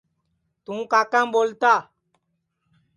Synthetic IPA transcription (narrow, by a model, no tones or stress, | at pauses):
t̪ũːkaːkãːmboːlt̪aː